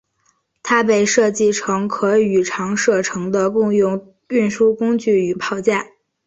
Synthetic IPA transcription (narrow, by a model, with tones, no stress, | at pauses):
t̪ʰa˥p̬e˥˧ɪʂɤ˥˧t͡ɕi˥˩ʈ͡ʂʰɤ˧˥ŋkʰɤ˧˥y˨˩ʈ͡ʂʰɑ˧˥ŋʂɤ˥˩ʈ͡ʂʰɤ˧˥ŋd̪ə˧kʊ˥˧ŋjʊ˥˧ŋ | y˥˩nʂu˥kʊ˥ŋt͡ɕy˥˩y˨˩pʰɑ˥˩ʊt͡ɕja˥˩